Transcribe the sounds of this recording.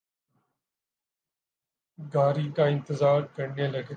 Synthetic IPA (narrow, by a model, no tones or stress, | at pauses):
ɡaːɾiːkãːɪ̃nt̪ɪzaːɾkəɾnẽːlɐɡe